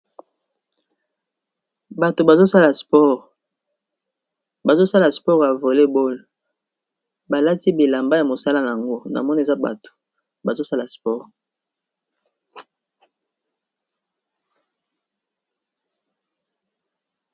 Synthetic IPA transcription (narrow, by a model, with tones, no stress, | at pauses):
ba˨to˨ba˨zo˦sa˦la˨spɔ˦ʁ | ba˨zo˦sa˦la˨spɔ˦ʁja˨vo˨le˦bo˦lo˨ | ba˨la˦ti˦bi˨la˨mba˦ja˨mo˨sa˦la˦na˨a˨ŋɡo˦na̰˨mɔ˦ni˦˨za˦ba̰˨to̥˨ | ba˨zo˦sa˦la˨spɔ˦ʁ